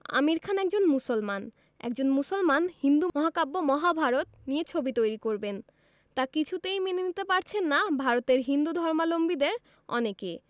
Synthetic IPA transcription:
a̰miɾkʰanɛk̚d͡ʑonmusolman | ɛ̰k̚d͡ʑonmusolmanhind̪umɔɦakabːomɔɦabʱaɾot̪nijet͡ɕʰobit̪ojɾikoɾben | t̪akit͡ɕʰut̪ejminenit̪epaɾt͡ɕʰenːabʱaɾot̪eɾɦind̪ud̪ʱɔɾmalombid̪eɾ | ɔ̰neke

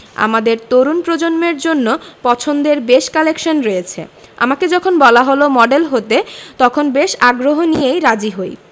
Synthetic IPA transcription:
a̰mad̪eɾt̪oɾunpɾod͡ʑonmeɾd͡ʑonːopɔt͡ɕʰond̪eɾbeʃkalekʃonɾojet͡ɕʰḛa̰maked͡ʑɔkʰonbɔlaɦolomɔɖelɦot̪et̪ɔkʰonbeʃaɡɾoɦonijejɾad͡ʑiɦoj

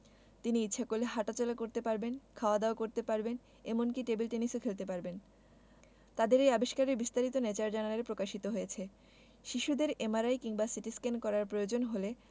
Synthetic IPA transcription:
t̪iniitːɕʰakoleɦaʈat͡ɕɔlakoɾt̪epaɾbenkʰaoad̪aokoɾt̪epaɾben | emonkiʈebilʈenisokʰelt̪ep̬aɾben | t̪ad̪eɾejabeʃkaɾeɾbist̪aɾit̪onet͡ɕaɾd͡ʑanaleɾpɾokaʃit̪oɦojet͡ɕʰe | ʃiʃud̪eɾemaɾajkiŋbasiʈiskenkɔɾaɾpɾojod͡ʑonɦole

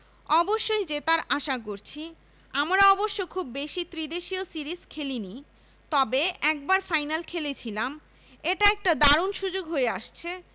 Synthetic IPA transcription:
ɔboʃːojd͡ʑet̪aɾaʃakoɾt͡ɕʰi | amɾaɔboʃːokʰubːeʃit̪ɾid̪eʃiosiɾiskʰelini | t̪ɔbeɛk̚baɾfajnalkʰelet͡ɕʰilam | eʈaɛk̚ʈad̪aɾonʃud͡ʑoɡɦoeaʃt͡ɕʰe

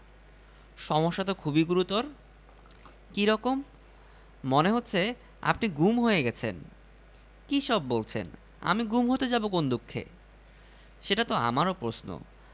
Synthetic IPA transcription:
ʃɔmoʃːat̪okʰubiɡuɾut̪oɾ | kiɾɔkomː | oneɦot̪ːɕʰe | a̰pniɡumɦojeɡɛt͡ɕʰen | kiʃɔbːolt͡ɕʰḛn | a̰miɡumɦot̪ed͡ʑabokond̪ukʰːḛ | ʃeʈat̪oa̰maɾopɾosno̰

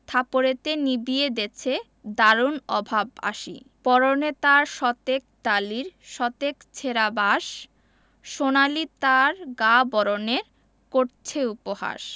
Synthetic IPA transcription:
t̪ʰapoɾet̪enibied̪et͡ɕʰe | d̪aɾunɔbʱaba̰ʃḭpɔɾonet̪aɾʃɔt̪ek̚t̪aliɾʃɔt̪ekt͡ɕʰeɾabaʃ | ʃonalit̪aɾɡabɔɾoneɾ | koɾt͡ɕʰeupoha̰ʃ

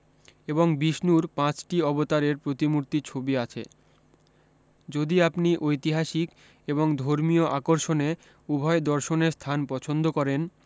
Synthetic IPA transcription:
eboŋbiʃnuɾpãt͡ɕʈiɔbot̪aɾeɾpɾot̪imuɾt̪it͡ɕʰobiat͡ɕʰḛ | d͡ʑod̪iapniʔojt̪iɦaʃik | eboŋd̪ʱoɾmioʔakoɾʃone | ubʱɔed̪ɔɾʃoneɾst̪ʰanpɔt͡ɕʰond̪okɔɾen

